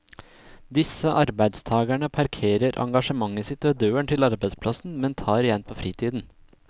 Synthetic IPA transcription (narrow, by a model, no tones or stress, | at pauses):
d̪ɪsəʔɑɾbæɪd̪st̪ʰɑːɡæɳəpʰɑɾkʰeːɾəɾʔɑ̰ŋɡɑʂəmɑŋːəsɪt̪ːoːd̪øːəɳʈ̪ʰɪlɑɾbæɪd̪spʰlɑsn̩mɛnt̪ʰɑːɾɪjɛnpʰoːfɾiːt̪ʰiːd̪n̩